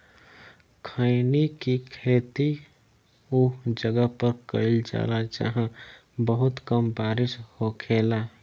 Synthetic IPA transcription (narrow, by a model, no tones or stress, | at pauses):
kʰəɪnikikʰeːt̪i | uːd͡ʒəɡəɦpəɾkə̰ɪld͡ʒa̰ːlad͡ʒə̰ɦã | bəɦʊt̪kəmbaːɾɪshokʰela